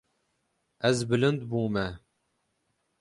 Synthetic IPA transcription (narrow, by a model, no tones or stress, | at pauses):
ɛzbɨlɨnd̪buːmɛ